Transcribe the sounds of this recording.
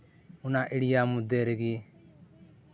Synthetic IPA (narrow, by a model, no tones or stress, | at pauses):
unaʔiɽijamud̪ɛɾɛɡi